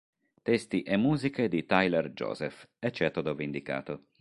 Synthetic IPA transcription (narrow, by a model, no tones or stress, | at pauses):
t̪ɛst̪iʔɛmːuːziked̪it̪ajlɛrd͡ʒɔ̰ːzɛfɛt͡ʃːɛːt̪od̪ovind̪ika̰ːt̪o